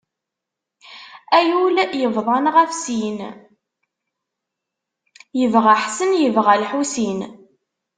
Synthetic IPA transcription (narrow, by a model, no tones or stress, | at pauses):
æjuljəvðˤɑnʁæfsin | jəvʁaħsənjəvʁælħusin